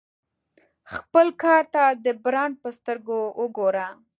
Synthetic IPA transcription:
xpəlkɑɾt̪ad̪əbɾɑn̚pəst̪əɾɡowəɡoɾa

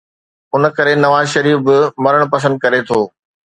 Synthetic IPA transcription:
ʊn̆kɐɾenɐʋaːzʃɐɾiːfbɪmɐɾəɽ̃pɐs̬ə̃nd̪̚kɐɾet̪ʰoː

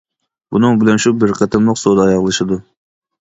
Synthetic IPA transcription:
bunɨŋbɪlɛnʃubɪɾqʰət̪ʰɨmlˠʊqsod̪ɑːjɑʁlˠɨʃɨd̪u

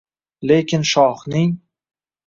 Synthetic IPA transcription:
le̞kʲʰɪnʃɒχnɪŋ

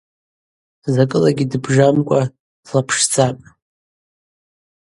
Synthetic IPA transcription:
zakʼɨlaɡʲidɨbʐamkʷʼḁ | lapʰʂd͡zʰʼapʼ

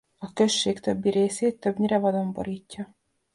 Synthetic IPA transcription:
ɒkø̞ʃːeːkt̪øbːiɾeːseːt̪ːø̞bɲiɾɛvɒd̪ombo̞̰ɾiːcːɒ

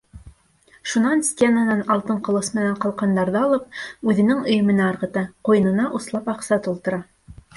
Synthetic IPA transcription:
ʃunɑnsʲtʲenanɑnɑlˠt̪ɤɴqŏlˠɤsmɘ̆næɴqɑlˠqɑnd̪ɑɾðɤɑlˠɤp̚ʉðɘ̆nɘŋŏjɤ̆mɘ̆næɑɾʁɤ̆t̪ɑqujɤ̆nɤ̆nɑʔuslˠɑpɑqsɑt̪ulˠt̪ɤ̆ɾɑ

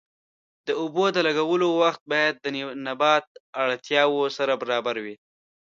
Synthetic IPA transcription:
d̪əʊbod̪əlaɡawəlowaxt̪̚bɑjad̪̚ːənabɑt̪̚aɽt̪jɑwosaɾabaɾɑbaɾwi

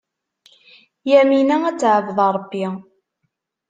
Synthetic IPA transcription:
jæminææt͡sːʕəvðˤɑɾˤəbːi

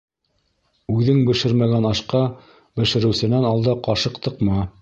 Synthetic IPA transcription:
ʉðɘŋbɘ̆ʃɘɾmæɡænɑʃqɑ | bɘ̆ʃɘ̆ɾɘ̆wsɘ̆nænɑlˠd̪ɤqɑʃɤqt̪ʰɤqmɑ

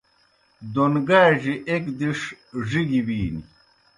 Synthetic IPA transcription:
d̪onɡaːʑiʔekd̪iʂ | ʐiɡibiːni

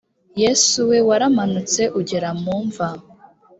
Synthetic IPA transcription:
je̞suwe̞waɾamanut͡se̞ʔuɟeɾamuːɱva

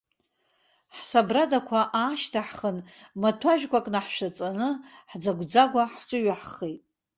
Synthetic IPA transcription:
ħsabradakʷʰaʔaːʃtʰaħχən | matʰaʒᶣkʷʼakʼnaħʃʷᶣat͡sʼanɨħd͡zaɡʷd͡zaɡʷaħʈ͡ʂʼɨɥaħχejtʼ

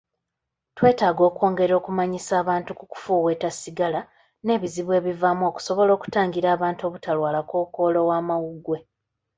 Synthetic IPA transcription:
twe̞ːtaːɡo̞ːkwo̞ːŋɡe̞ɾo̞ːkumaɲisaːβaːntukuku̥fuːwe̞ːtasiɡala | ne̞ːβiziβwe̞ːβivamuo̞ku̥so̞βo̞lo̞ːku̥taːŋɡiɾaːβaːnto̞ːβutalwaːlakoːko̞ːlo̞waːmawuɡwe̞

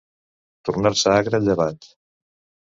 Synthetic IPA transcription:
t̪uɾnaɾsəaɣɾəʎəβat̪

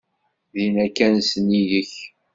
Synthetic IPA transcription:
ðinækːænsəniðəç

